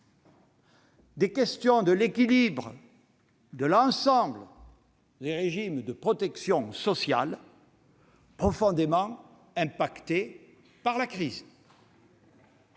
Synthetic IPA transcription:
d̪ekɛst̪jɔ̃d̪əlekʲilibʁə | d̪əlɑ̃sɑ̃blə | d̪eʁeʒimd̪əpχɔt̪ɛksjɔ̃sɔsja̰l | pχɔfɔ̃d̪emɑ̃ | ɛ̃pakt̪e | paʁlakχiz

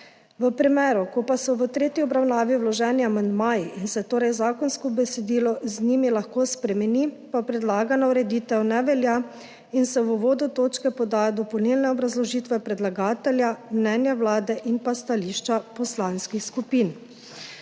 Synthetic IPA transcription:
ʋəpɾɛmɛːɾukɔpasɔʋət̪ɾeːt̪jiɔbɾawnaːʋiwlɔʒɛːniamand̪maːjiʔinsɛt̪oːɾɛjzaːkɔnskɔbɛsɛd̪iːlɔzniːmilaxkoːspɾɛmɛnipapɾɛd̪laːɡanauɾɛd̪iːt̪ɛwnɛʋɛlja | insɛʋuʋoːd̪ut̪oːt͡ʃkɛpɔd̪aːjad̪ɔpɔwnilnɛɔbɾazlɔʒiːt̪ʋɛpɾɛd̪laɡaːt̪ɛljamnɛːnjawlaːd̪ɛʔinpast̪aliʃt͡ʃapɔslaːnskixskupiːn

